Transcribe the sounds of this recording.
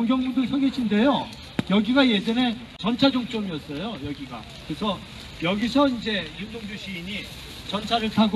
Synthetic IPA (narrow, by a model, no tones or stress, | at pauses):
ʌŋɡjʌŋmundɯsʰʌɡeɕʰinde̞jo | jʌɡiɡaje̞d͡ʑʌne̞ | t͡ɕʌnt͡ɕʰad͡ʑok̚t͡ɕ͈omiʌts͈ʌjojʌɡiɡa̰ | kɯɾesʰʌ | jʌɡisʰʌind͡ʑe̞jund͡ʑoŋd͡ʑuɕʰiːɲi | t͡ɕʌnt͡ɕʰaɾɯɭtʰaɡ